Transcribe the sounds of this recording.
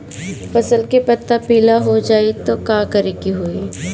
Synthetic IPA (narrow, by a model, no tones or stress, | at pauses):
fɐsəlkepɐt̪ːapiːlaɦod͡ʒaːet̪okãːkəɾekiɦoːiː